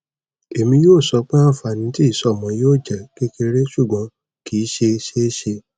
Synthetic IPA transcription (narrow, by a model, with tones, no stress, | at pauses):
e˨mĩ˧joː˦˨sɔ˧k͡pe˦ã˦˨fa˨nĩ˧˦ti˦i˦˨sɔ˨˦˨mɔ̃˧˦joː˦˨d͡ʒɛ˨ke˦ke˧ɾe˦ʃu˦˨ɡ͡bɔ̃˨˧˦ | ki˨˦ʃe˧ʃe˦ʃe˧